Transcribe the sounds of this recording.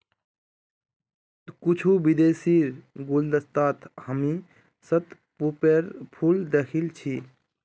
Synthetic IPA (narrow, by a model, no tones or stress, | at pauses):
kut͡ʃʰubid̪esiɾɡold̪əst̪at̪ʰhəmi | sət̪ | pupeɾpʰuld̪ekʰilt͡ʃʰi